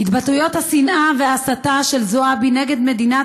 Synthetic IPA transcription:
hit̪batujo̞t̪hasinʔaveaːsat̪aʃe̞lzoabineɡe̞d̪me̞d̪ina

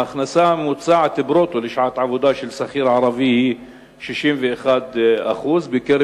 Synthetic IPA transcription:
ʔaxnasamut̪saːʕat̪ɪbɾot̪ulɪʃʕaːt̪ʕavud̪aʃɪlsaxiːɾʕɑɾˤɑvihi | ʃiʃiːnviʔxaːd̪ʔa̰xuːzbɪkɪɾ

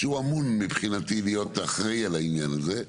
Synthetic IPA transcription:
ʃeuamunmipχinatilijo̞taχʁejalainjanaze̞

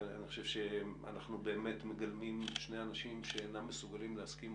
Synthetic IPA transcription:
a̰niχoʃe̞vʃea̰naχnube̞ːme̞tme̞ɡalmimʃneanaʃimʃeenamːesuɡalimleaskim

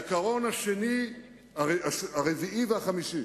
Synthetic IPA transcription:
kaʁonaʃeni | aeaʃaʁeviiveaχamiʃi

